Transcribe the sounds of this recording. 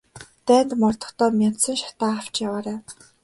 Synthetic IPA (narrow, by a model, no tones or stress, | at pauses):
t̪æːnt̪mɔrt̪ɞ̥̆χʰt̪ɔːmʲjan̥sɞ̆ŋʃḁt̪aːaw̥t͡ɕjawaːɾæː